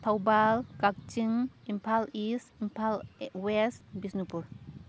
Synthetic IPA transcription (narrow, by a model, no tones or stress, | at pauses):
t̪ʰawbalkak̚t͡ʃiŋimpʰalisimpʰalwɛst̚bisnupuɾ